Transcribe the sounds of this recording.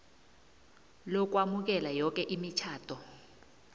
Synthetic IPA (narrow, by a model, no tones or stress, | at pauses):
lɔk̬wamuk̬ɛlajɔk̬ʼɛʔimit͡ʃʰaːtʰɔ